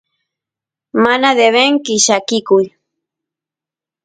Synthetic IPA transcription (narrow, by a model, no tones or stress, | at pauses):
manad̪eβeŋkɪʃakɪkʊj